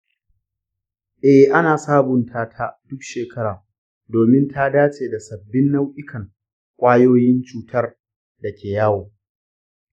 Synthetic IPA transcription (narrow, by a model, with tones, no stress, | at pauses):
ʔɛ˦hʔa˦naː˨saː˦bʊ˨ntʰaː˦tʰaː˦d̥ʊ˦kʃeː˨kʰɐ˦ɽaː˨ | doː˨mɪ˦ntʰa˦daː˦t͡ʃʼeː˨da˨sɐ˨bːɪ˦nːa˦wʔɪ˦kʰɐ˨ŋ | kʷʼaː˦joː˦jɪ˦nt͡ʃuː˨tʰɐ˦r | dɐ˨kʲʰeː˨jaː˦woː˨